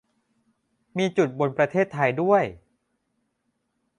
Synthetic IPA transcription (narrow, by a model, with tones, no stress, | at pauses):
miː˧t͡ɕu˨˩t̪̚bo˧npɾa˧t̪ʰeː˥˩t̪ʰːa˧jdu˥˩əj